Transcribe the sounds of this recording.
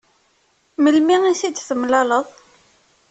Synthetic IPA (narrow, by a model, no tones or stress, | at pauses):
məlmiŋisid̪θəmlɑləðˤ